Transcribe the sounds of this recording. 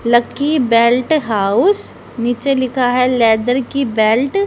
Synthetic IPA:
lɐkːibɛːlʈɦaːʊs | niːt͡ʃelɪkʰaɦɛlɛːd̪əɾkibɛːlʈ

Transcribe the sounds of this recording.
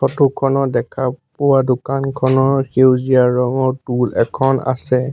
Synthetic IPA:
tʰɔtukʰɔnɔdɛkʰapɔwadʊkankʰɔnɔɹxewzijaɹɔŋɔɹtulɛkʰɔna̰sɛ

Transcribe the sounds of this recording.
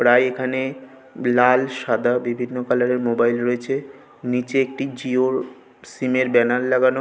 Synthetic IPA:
pɾajekʰane | lalʃad̪ʱabibʱinːokalaɾeɾmobajlɾoet͡ɕʰe | nit͡ɕeek̚ʈid͡ʑioɾ | simeɾbɛnalːaɡano

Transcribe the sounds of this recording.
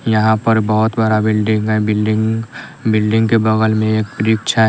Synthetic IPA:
jɐɦãpəɾbəɦʊt̪bəɾabɪlɖɪ̃ŋɡɦɛbɪlɖɪ̃ŋbɪlɖɪ̃ŋɡkebɐɡəlmẽeːk̚pɾɪkʃʰaɦ

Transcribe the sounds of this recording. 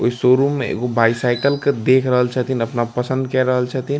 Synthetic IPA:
oisoːɾumːḛ̃ɡobaːɪsaːɪkəlked̪eːkʰɾəɦəlt͡ʃʰɛt̪ʰinɐpnapɐsə̃nd̪̚kɛɾɐɦəlt͡ʃʰɛt̪ʰin

